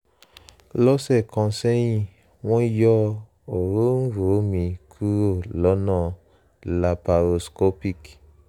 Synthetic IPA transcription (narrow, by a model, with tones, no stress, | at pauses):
lɔ˦sɛ˦˨kʰɔ̃˨˧˦sɛ˦jĩ˦˨ | w̃ɔ̃˦i˦jɔ˦ | o˨ɾo˦n̩˦ɾo˨˦mĩ˧kʰu˦ɾo˦˨lɔ˨˦nɔ̃˦˨ | la˨pa˨ɾo˨sko˦pi˦˨k